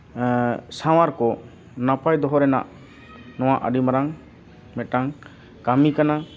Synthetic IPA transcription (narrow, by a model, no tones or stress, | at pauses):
saw̃aɾkɔ | napajd̪ɔɦɔɾɛna̰ʔ | nɔw̃aʔə̰ɖimaɾaŋ | mɛʈaŋ | kamikana